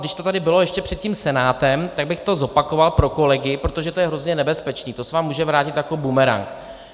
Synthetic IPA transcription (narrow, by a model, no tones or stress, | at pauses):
dɪʃt̪o̞t̪adɪbɪlo̞jɛʃcɛpr̥ɛt̪̚ciːmsɛnaːt̪ɛmt̪aɡ̚bɪxt̪o̞zo̞pako̞valpɾo̞ko̞lɛɡɪpɾot̪o̞ʒɛt̪o̞jɛɦɾo̞zɲɛnɛbɛspɛt͡ʃniːt̪osɛvaːmːuːʒɛvɾaːcɪt̪jako̞bumɛɾa̰ŋk